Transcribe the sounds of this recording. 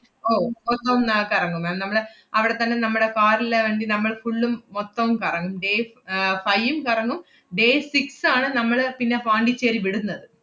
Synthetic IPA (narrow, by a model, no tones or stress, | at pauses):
oːot̪ːɐʋumkɐrɐŋːumaːnnɐmːɐɭ | ɐʋiɽe̞t̪ɐnːe̞nɐmːuɽekaːɾilʋeːɳɖinɐmːɐɭfuɭːumːot̪ːɐʋumkɐrɐŋːumɖeː | fɐjʋumkɐrɐŋːum | ɖe̞ːsiksaːɳɨnɐmːɐɭpinːe̞paːɳɖit͡ɕːeːɾiʋiɽunːɐðɨ